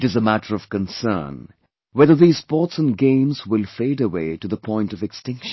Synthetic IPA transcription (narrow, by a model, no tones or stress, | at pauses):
ʈɨzəmæʈəɹʌv̥kə̃nsɜ̰˞n | wɛðə˞ðiːz̥spɔtsə̃nɡẽɪ̃mzwɪlfeɪɾəwḛːʈud̪əpʰɔ̃ɪ̃ntʌvɨkstɪ̃ŋkʃn